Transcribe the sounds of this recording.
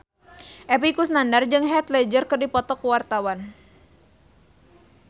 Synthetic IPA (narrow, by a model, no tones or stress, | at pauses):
ʔɛpikusnandard͡ʒɨŋɦɛt̪lɛd͡ʒərkɨrdipɔt̪ɔkuwart̪awan